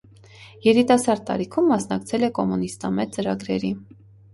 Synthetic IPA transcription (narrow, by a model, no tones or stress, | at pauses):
jɛɾit̪ɑsɑɾd̪̚t̪ːɑ̰ɾikʰumːɑsnɑkt͡sʰɛlɛkɔmunist̪ɑmɛt͡səɾɑɡɾɛɾi